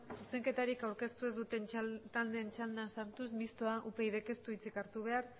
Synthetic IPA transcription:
suse̞ŋke̞t̪aɾikawɾke̞st̪ue̞zd̪ut̪e̞nt̪ald̪ent͡ʃald̪ansaɾt̪uzmist̪oaʔupe̞iðe̞ke̞st̪uit͡sikaɾt̪uβ̞e̞aɾ

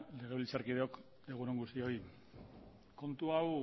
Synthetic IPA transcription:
le̞ɣeβilt͡saɾkiðeo̞k | e̞ɣ̞uɾoŋɡust̪io̞j | ko̞nt̪uaw

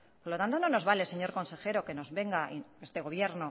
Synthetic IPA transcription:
poɾlo̞t̪ant̪o̞no̞no̞zβale̞se̞ɲo̞ɾko̞nse̞xe̞ɾo̞ke̞no̞zβe̞ŋɡaʔiest̪e̞ɣ̞o̞β̞je̞ɾno

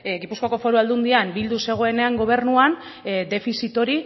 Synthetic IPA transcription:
ɡipuskoako̞fo̞ɾuald̪und̪iambild̪use̞ɣ̞o̞e̞ne̞aŋɡo̞β̞e̞ɾnuan | d̪e̞fisit̪o̞ɾi

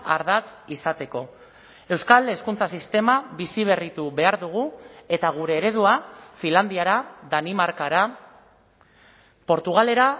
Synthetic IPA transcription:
a̰ɾðat͡sisat̪e̞ko̞ | e̞wskale̞skunt͡sasist̪e̞maβisiβ̞e̞rit̪uβe̞aɾðuɣ̞ue̞t̪aɣ̞uɾe̞ːɾe̞ð̞uafiland̪iaɾaðanimaɾkaɾa | po̞ɾt̪uɣ̞ale̞ɾa

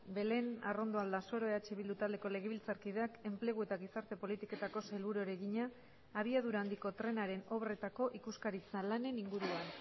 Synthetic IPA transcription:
be̞le̞naro̞nd̪o̞ald̪aso̞ɾo̞eat͡ʃe̞βild̪ut̪ald̪e̞ko̞le̞ɣ̞e̞βilt͡saɾkiðe̞ake̞mple̞ɣ̞ue̞t̪aɣisaɾt̪e̞po̞lit̪ike̞t̪ako̞selβuɾoeɾe̞ɣiɲaː | β̞iað̞uɾaːnd̪iko̞t̪ɾe̞naɾe̞no̞βre̞t̪ako̞ʔikuskaɾit͡salane̞niŋɡuɾuan

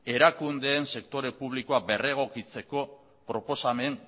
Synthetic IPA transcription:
e̞ɾakund̪e̞ːnse̞kt̪o̞ɾe̞puβ̞liko̞abe̞re̞ɣ̞o̞kit͡se̞ko̞ | pɾo̞po̞same̞n

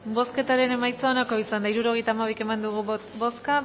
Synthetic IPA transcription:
bo̞ske̞t̪aɾe̞ne̞majt͡saonako̞isand̪aiɾuɾo̞ɣ̞e̞jt̪aːmaβ̞ijke̞mand̪uɣ̞ubo̞ska

